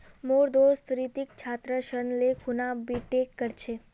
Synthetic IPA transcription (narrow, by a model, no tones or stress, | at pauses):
moɾd̪ost̪ɾit̪ikt͡ʃʰat̪ɾəʃənlekʰunabiʈekːəɾt͡ʃʰe